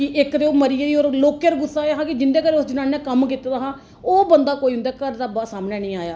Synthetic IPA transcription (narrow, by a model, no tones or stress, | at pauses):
kɪʔɪkd̪eoːməɾid̪iːɔːɾloːkeːɾɡʊsːaːaːɦãːkɪd͡ʒɪnd̪eːkəɾeːʊsd͡ʒɪnaːnɛ̃ːkəmkit̪aːd̪aːɦãː | oːbənd̪aːkoːiɦʊ̃nd̪aːkəɾd̪aːbaːsaːmneːnĩːaːja̰ː